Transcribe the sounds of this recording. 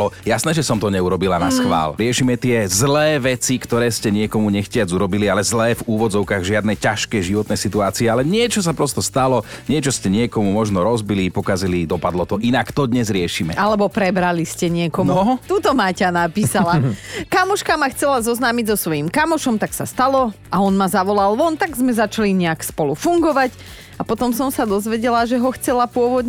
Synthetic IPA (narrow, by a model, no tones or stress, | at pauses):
ɔjasnɛːʒɛsɔmt̪ɔɲɛuɾɔbilanasxʋa̰ːlɾɪɛʃimɛt̪ɪɛzlɛːʋɛt͡sikt̪ɔɾɛːscɛɲɪɛkɔmuɲɛxcɪad͡zuɾɔbilialɛzlɛːvuːʋɔd͡zɔʊkaːɣʒɪad̪̚nɛjcaʃkɛjʒiʋɔt̪nɛjsit̪uaːt͡siɛalɛɲɪɛt͡ʃɔs̬apɾɔst̪ɔst̪alɔɲɪɛt͡ʃɔscɛɲɪɛkɔmumɔʒnɔɾɔzbilipɔkazilid̪ɔpad̪lɔt̪ɔʔinakt̪ɔd̪ɲɛzɾɪɛʃiːmɛ̰alɛbɔpɾɛbɾaliscɛɲɪɛkɔnuɔɦɔt̪uːt̪ɔmacanapiːsalakamɔʃkamaxt͡sɛlazɔznaːmiɟzɔsʋɔjimkamɔʃɔmt̪aksast̪alɔ | aɔnmazaʋɔlalʋɔnt̪aɡzmɛzat͡ʃaliɲɛakspɔlufuŋɡɔʋac | apɔt̪ɔmsɔmsad̪ɔzʋɛɟɛlaʒɛɦɔxt͡sɛlapʊɔʋɔd̪ɲ